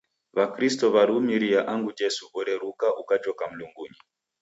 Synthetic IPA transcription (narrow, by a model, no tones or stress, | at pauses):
βakɾistɔβaɾumiɾijaʔaŋɡud͡ʒɛsuʔɔɾɛɾukaʔukat͡ʃɔkam̩luŋɡuɲi